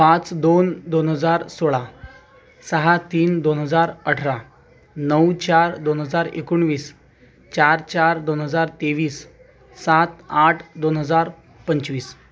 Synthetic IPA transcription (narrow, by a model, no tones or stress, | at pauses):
pãt͡sd̪ond̪onɦəd͡zaɾsoɭa | səɦat̪iːnd̪onɦəd͡zaɾəʈʰɾa | nəwt͡ɕaɾd̪onɦəd͡zaɾḛkuɳʋiːs | t͡ɕaɾt͡ɕaɾd̪onɦəd͡zaɾt̪eʋiːsː | at̪aʈʰd̪onɦəd͡zaɾ | pəɲt͡ɕʋiːs